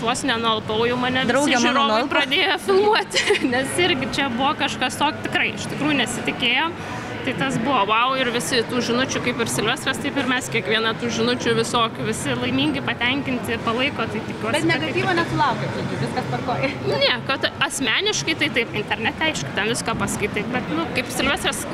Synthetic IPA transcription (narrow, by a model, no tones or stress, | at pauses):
nuɔsʲɪnʲɛnʊɐlˠpɐʊjɛʊmɐnʲɛʋ̪ʲɾɐʊsɪɛʒɐɾoːnlˠprɐd̪ʲeːjofʲɪlˠmuɔt̪ʲnʲɛsɪɾʲɡʲɪt͡ʃʲɛbʊʋɔːkɐʃkɐst̪oːkʲt̪ʲɪkrɐɪɪʃt̪ʲɪkɾuːjʊnʲɛsʲɪt̪ʲɪkʲeːjoːm | t̪ɐɪt̪ɐs̬bʊʋoːʋɐʊɪrʋʲɪsʲɪt̪uːʒʲɪnʊt͡ʃʲʊkɐɪpɪrsʲɪlʲʋʲɛst̪ɾɐst̪ɐɪpɪrmʲɛskʲiɛkʋʲiɛnɐt̪uːʒʲɪnʊt͡ʃʲʊʋʲɪsoːkʲʊʋʲɪsʲɪlˠɐɪmʲiːŋʲɡʲɪpɐt̪ʲɛŋʲkʲɪnʲt̪ʲɪpɐlˠɐɪkoːt̪ɐɪt̪ʲɪkʲuɔsbʲɛt̪ʲnʲɛkɡɐtʲiːʋonʲɛsʊlˠɐʊkʲet̪ɐtʲɪʋʲɪskɐspɐrkoːjɛnʲɛkɐt̪ɐsʲmʲæːnʲɪʃkɐɪt̪ɐɪt̪ɐɪpɪnʲt̪ʲɛrʲnʲɛt̪ʲɛɐɪʃkʲʊt̪ʲɛnʋʲɪskɐpɐskɐɪt̪ɐɪp̚bʲɛt̪nʊkɐɪpsʲɪlʲʋʲɛst̪ɾɐs